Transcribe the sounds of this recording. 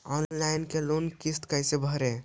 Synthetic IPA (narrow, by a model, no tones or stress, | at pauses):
ɔnlaɪnkelonkist̪kəjsebʱəɾe